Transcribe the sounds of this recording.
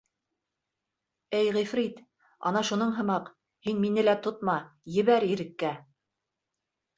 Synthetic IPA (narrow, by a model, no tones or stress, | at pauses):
ɘjʁifɾit̪ | ɑ̰nɑʃunɤɴɦɤ̆mɑq | hinminɘlæt̪ot̪mɑjɘ̆βæɾĭɾɘ̆kːæ